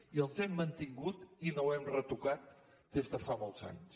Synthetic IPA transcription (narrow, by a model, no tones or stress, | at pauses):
iəlˠzɛmːənt̪iŋɡut̪inowɛmrət̪ukat̪̚ | d̪ezðəfamolˠtza̰ɲs